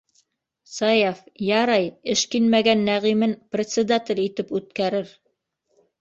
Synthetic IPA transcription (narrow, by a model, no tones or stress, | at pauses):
sɑjafjɑɾɑjɘʃkinmæɡænːæʁimɘnprʲet̪sʲɪd̪at̪ʲɘlʲit̪ɘpʉt̪kæɾɘɾ